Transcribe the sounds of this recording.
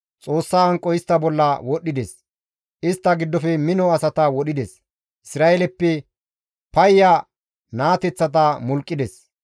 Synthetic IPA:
t͡sʼo̞ːsːaːɐŋkʼːɔɪst̪ːɐbɔlːɐwɔɗɪd̪ɛs | ʔɪst̪ːɐɡɪd̪ːɔfɛmɪnɔɐsɐt̪ɐwɔɗɪd̪ɛs | ʔɪsɾaːelɛpːɛ | pɐjːa | naːt̪ɛt͡sːɐt̪ɐmʊlkʼːɪd̪ɛs

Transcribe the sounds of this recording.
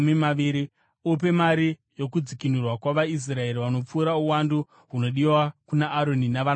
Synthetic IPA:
mimaiɾi | up̬e̞maɾijo̞k̬ud͡zikin̤urwakwaʋais̬rae̞ɾiʋano̞p͡fuːɾauwandu | ɦuno̞ɗiwakunaːɾo̞ninaʋan

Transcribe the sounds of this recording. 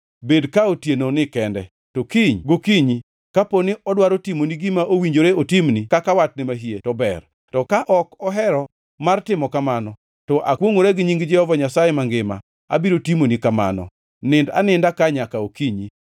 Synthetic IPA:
bedkaotjenonɪkɛndɛ | tokiɲɡokiɲi | kaponɪɔdwaɾotimoniɡimaʔowiɲd͡ʒoɾeotimnikakawat̚nɪmaɦietɔbɛ̰r | tɔkaʔɔkɔɦɛɾɔ | martɪmɔkamanɔ | tɔʔakwoŋoɾeɡɪɲiŋɡd͡ʒɛɔvaɲasajɛmaŋɡɪma̰ | a̰biɾotimonikama̰nɔ̰ | nɪnda̰nɪndakaɲakaokiɲi

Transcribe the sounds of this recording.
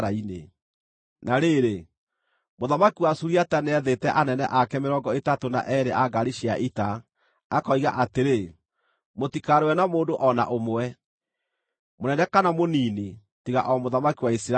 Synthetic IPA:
ɾainḛ | naɾeɾe | moðamakiwasuɾiataneɛðetɛʔanɛnɛ̰ʔakɛmeɾɔɡɔetatona̰ʔɛɾeʔaɡaɾiʃiaʔitaː | kɔiɣaʔateɾe | motikaɾewɛnamoːndoʔɔna̰ʔomoɛ | monɛnɛkanamoniːni | tiɣa̰ʔɔmoðamakiwaisiɾa

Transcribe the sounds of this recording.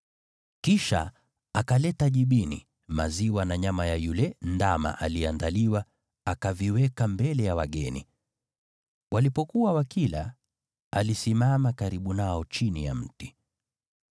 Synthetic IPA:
kiʃa̰ | akalɛtaʄiɓinḭ | maziwanaɲamajajulɛndama̰ʔaliandaliwa | akaviwɛkambɛlɛjawaɠɛnḭ | walipɔkuwawakila̰ | alisimamakaɾiɓunaɔt͡ʃinija̰m̩ti

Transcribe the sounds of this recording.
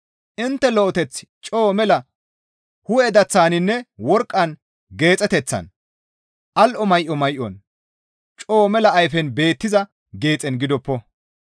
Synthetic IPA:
ʔɪnt̪ːɛlɔʔɔt̪ɛt͡sːt͡ʃʼoːmɛlɐ | hʊɛd̪ɐt͡sːaːnɪnːɛwɔɾkʼːɐn | ɡe̞ːt͡sʼɛt̪ɛt͡sːɐ̰n | ʔɐlʔɔmɐjʔɔmɐjʔɔn | t͡ʃʼoːmɛlɐːjfɛnbe̞ːt̪ːɪzɐ | ɡe̞ːt͡sʼɛnɡɪd̪ɔpːɔ

